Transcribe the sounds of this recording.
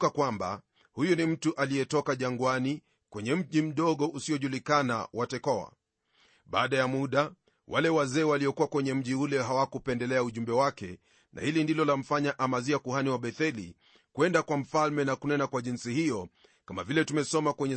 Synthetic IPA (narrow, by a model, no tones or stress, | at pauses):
kakwamba̰ | hujɔnim̩tuʔaliɛtɔkaʄaŋɡwani | kwɛɲɛm̩ʄim̩ɗɔɠɔʔusiɔʄulikana̰watɛkɔa̰ | ɓa̰ːɗajamuɗa | wʔalɛwazɛːwaliɔkuwakwɛɲɛm̩ʄiulɛɦawakupɛndɛlɛauʄumbɛwakɛ̰ | na̰hilindilɔlam̩faɲaʔamaziakuhaniwaɓɛθɛlḭ | kwɛndakwam̩falmɛnakunɛnakwaʄinsihijɔ | kamavilɛtumɛsɔmakwɛɲɛ